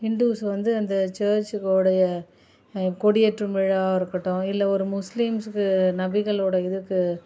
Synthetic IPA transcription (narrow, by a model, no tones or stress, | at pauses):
hɪɳɖ̪uːsʋɐnd̪ɯɐnd̪ɐt͡ʃeːɾt͡ʃɯkːoɽɐjɐ | kɔɽɪjɛʈrɯmʋɛɻaːɪɾɯkːɐʈːʊ̃ɪlːɐɔɾɯmʊslimsɯkːɯnɐbɪɣɐɭoːɽɐɪðɯkːɯ